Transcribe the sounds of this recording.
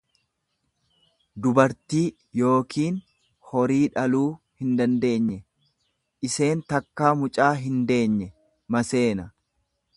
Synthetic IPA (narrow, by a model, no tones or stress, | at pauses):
d̪ʊbɐɾt̪iː | jo̞ːkʰiːn | hɔɾiːᶑɐluː | hɪnd̪ɐnd̪e̞ːɲːɛ | ʔɪse̞ːnt̪ɐkːaːmʊt͡ʃʼaːɦɪnd̪e̞ːɲːɛ | mɐse̞ːnɐ